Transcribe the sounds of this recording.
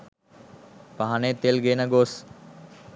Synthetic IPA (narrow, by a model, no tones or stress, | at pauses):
paɦanet̪elɡeːnəɡos